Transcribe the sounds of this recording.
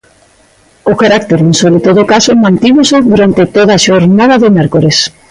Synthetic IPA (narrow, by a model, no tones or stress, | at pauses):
ʊkaɾak̚t̪eɾensoβlɪt̪oðokasomãnt̪imoseðuɾant̪ɪt̪oðaːʃoɾnaðaðomɛɾkoɾes